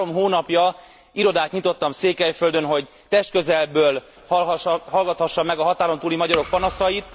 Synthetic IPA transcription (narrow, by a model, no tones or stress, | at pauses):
omɦoːnɒpjɒ | iɾo̞d̪aːt̪ɲit̪o̞t̪ːɒmseːkɛjfø̞ld̪ønɦo̞ɟ | t̪ɛʃt̪̚køzɛlbøːl | hhɒlɡɒt̪hɒʃːɒmːɛɡɒɦɒt̪aːɾo̞nt̪uːlimɒɟɒɾo̞k̚pɒnɒsɒjit̪